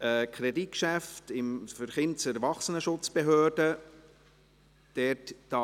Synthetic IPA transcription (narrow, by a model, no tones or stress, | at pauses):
əkʰɾɛdit̚kʃæftɪmfəɾχɪnt͡səɾvɑχsənəʃʊt͡sb̥eɦøːrd̥ə | d̥ɛtd̥ɑ